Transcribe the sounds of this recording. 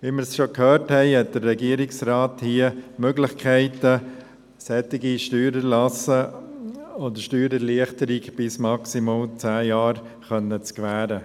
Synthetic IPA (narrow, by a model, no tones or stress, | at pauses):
ʋimɪɾsʃokhøːɾthɛɪhɛt̚d̥əɾːɛɡiəɾɪksɾaːthiəmøɡlɪχkʰɛɪtə | sɛtɪɡiʃtyːɾəlɑsə | odəʃtyːɾəɾliəχtəɾiɡb̥ɪsmɑksimɑlt͡sæːjɑːɾ | χœnːət͡skʋæːɾə